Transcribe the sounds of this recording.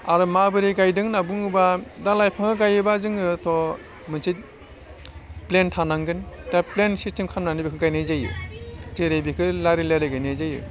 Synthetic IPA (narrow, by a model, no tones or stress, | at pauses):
aɾɯmabɯɾiɡajdɯŋnabuŋɯbadalajpʰaŋɯɡajɯbazɯŋɯtʰɔ | mɯnsʰit̚ | plentʰanaŋɡɯntaplensistemkʰanmnanibikʰɯɡajnazajɯ̰teɾebikʰɯlaɾilajlajɡajnajzajɯ̰